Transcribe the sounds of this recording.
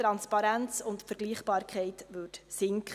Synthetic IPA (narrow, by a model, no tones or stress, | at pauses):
ɾɑnspɑɾɛnt͡sʊntfəɾɡ̥liːχbɑːɾkʰɛɪtʋɵːtsɪŋk